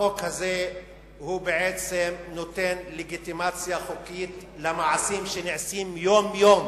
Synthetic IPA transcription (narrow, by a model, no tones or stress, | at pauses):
okhaze | hubeʕet͡semnot̪enleɡit̪imat͡sjaχokit̪lemaʕasimʃeniʕsimjomjom